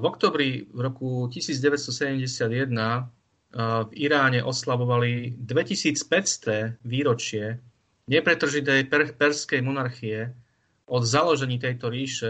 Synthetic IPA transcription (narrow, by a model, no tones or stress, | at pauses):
vɔkt̪ɔːbɾivɾɔkucisiːd͡zɟɛʋɛst̪ɔsɛɟɛmɟɛsɪad̪jɛd̪na | viɾaːɲɛʔɔslaʋɔʋalid̪ʋɛcisiːt͡spɛcst̪ɛːʋiːɾɔt͡ʃɪɛ | ɲɛpɾɛt̪r̩ʒit̪̬ɛjpɛrpɛɾskɛjmɔnaɾxijɛ | ʔɔd̪zalɔʒɛɲiːt̪ɛjt̪ɔɾiːʃɛ